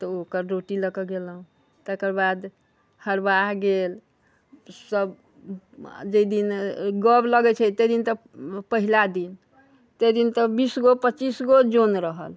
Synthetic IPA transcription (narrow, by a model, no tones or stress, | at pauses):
t̪ɔokəɾɾoʈiləkəɡelɦũ | t̪ekəɾbad̪ | həɾbaɦɡel | səb | d͡ʒed̪inɡəbləɡɛt͡ʃʰɛt̪əd̪int̪ə | pəɦilad̪in | t̪ed̪int̪əbisɡopətːt͡ʃisɡod͡ʒonɾəɦəl